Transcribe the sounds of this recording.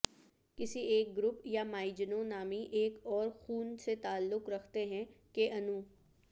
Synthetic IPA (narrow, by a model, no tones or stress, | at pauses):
kɪsieːk̚ɡɾʊpjamaːɪd͡ʒnõnaːmiʔeːkɔːɾxuːnset̪aːlːʊkɾɐkʰt̪eɦɛ̃keʔɐnũ